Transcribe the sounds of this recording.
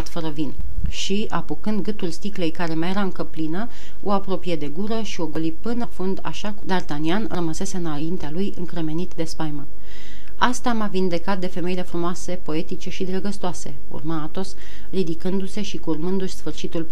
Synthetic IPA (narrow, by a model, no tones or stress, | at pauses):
t̪fəɾəvin | ʃi | apukɨnd̪ɡɨt̪ulst̪ikle̞jkaɾe̞maje̞ɾaɨŋkəplinə | o̞apɾo̞pije̞d̪e̞ɡuɾəʃio̞ɡo̞lipɨnəfund̪a̰ʃakd̪art̪anianrəməse̞se̞ɨnaint̪ealujɨŋkɾe̞me̞nit̪d̪e̞spajmən | ast̪amavind̪e̞kat̪̚d̪e̞fe̞me̞jile̞fɾumoase̞po̞e̞t̪it͡ʃe̞ʃid̪ɾəɡəst̪oase̞̰ | ṵrmaat̪o̞s | rid̪ikɨnd̪use̞ʃikurmɨnd̪uʃʲsfɨrʃit̪ul